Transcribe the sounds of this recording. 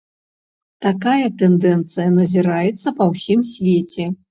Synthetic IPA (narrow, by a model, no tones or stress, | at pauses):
t̪akajɐt̪ɛnd̪ɛnt̪sɨjɐnɐzʲiɾajɛt̪sːɐpɐwsʲimsʲvʲet͡sʲɛ